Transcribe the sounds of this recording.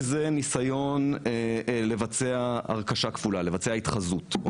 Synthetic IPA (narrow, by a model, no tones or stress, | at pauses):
zenisajo̞n | le̞vat͡seaa̰ʁkaʃakvulale̞vat͡seaitχazut